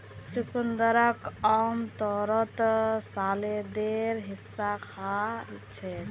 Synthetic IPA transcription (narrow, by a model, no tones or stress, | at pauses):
t͡ʃukund̪əɾəkamt̪ɔɾɔt̪saled̪eɾɦisːakʰat͡ʃʰɛ